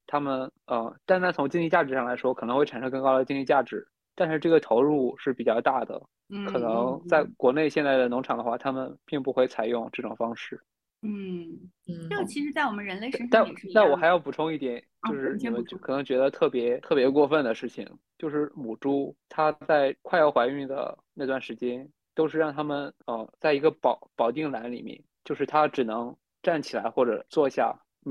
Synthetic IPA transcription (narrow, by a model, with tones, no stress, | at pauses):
t̪ʰa˥mə˨˩nə˧t̪nʰ˥˩t͡sʰʊ˧˥ŋt͡ɕi˥ŋli˥˧t͡ɕja˥˩ʈ͡ʂɻ̩˧˥ʂɑ˥˩ŋla˧˥ɪʂwɔ˥kʰɤ˨˩˧xe˥˩a˨˩ʂɤ˥ŋkɤ˥˧ŋkɑ˥ʊd̪ə˨˩t͡ɕi˥ŋli˥˧˩t͡ɕja˥˩ʈ͡ʂɻ̩˧˥ | t̪a˥˧nʂɻ̩˥˧ʈ͡ʂɤ˥˩ɡə˩t̪ʰo˧˥ʊɻu˥˧ʂɻ̩˥˩pi˨˩t͡ɕjɑ˥˧ʊt̪a˥˩d̪ə̰˩ | kʰɤ˨˩nɤ˧˥ŋt͡sa˥˩ɪkwɔ˧˥ne˥˧ɪɕjɛ˥˧nt͡sa˥˩ɪə˩n˧˥ŋʈ͡ʂʰɑ˨˩ŋd̪ə˦xwa˥˩t̪ʰa˥mə˨npi˥˧ŋpu˥˧xwe˥˩ɪt͡sʰa˨˩ɪjʊ˥˧ŋʈ͡ʂɤ˥˩ʈ͡ʂʊ˨˩ŋfɑ˥ŋʂɻ̩˥˩ | n̩˥˩˥ | t͡ɕʰi˧˥ʂɻ̩˧˥t͡sa˥˩ɪwɔ˨˩mə˦nɻə˧˥nle˥˧ɪ˥a˥˧˩t̪a˥˩wɔ˨˩xa˧˥ɪjɑ˥˩ʊpu˨˩ʈ͡ʂʰʊ˥˧ŋi˥˩t̪jɛ˨˩˦nt͡ɕjo˥˧ʊʂɻ̩˥˩n˧˩mə˧˦n˥kʰɤ˨˩nɤ˧˥ŋt͡ɕɥɛ˧˥d̪ə˧t̪ʰɤ˥˩pjɛ˧˥t̪ʰɤ˥˩pjɛ˧˥kwɔ˥˧fə˥˩nd̪ə˩ʂɻ̩˥˩t͡ɕʰḭ˨˩ŋt͡ɕjo˥˧ʊʂɻ̩˥˩mu˨˩ʈ͡ʂu˥t̪ʰa˥t͡sa˥˩ɪkʰwa˥˧ɪjɑ˥˩ʊxwa˧˥ɪy˥˩ŋd̪ə̰˩na˥˧t̪wa˥˩nʂɻ̩˧˥t͡ɕjɛ˥n | t̪o˥ʊʂɻ̩˥˧ɻɑ˥˩ŋt̪ʰa˥mə˨nə˧t͡sa˥˩ɪi˧˥ɡə˧pɑ˨˩˦ʊpɑ˨˩ʊt̪i˥˩ŋla˧˥nlḭ˨˩mjɛ̰˥˩nt͡ɕjo˥˧ʊʂɻ̩˥˩t̪ʰa˥ʈ͡ʂɻ̩˨˩nɤ˧˥ŋ | ʈ͡ʂa˥˩nt͡ɕʰi˨˩la̰˧˥ɪxwɔ˥˩ʈ͡ʂɤ̰˨˩t͡swɔ˥˧ɕja̰˥˩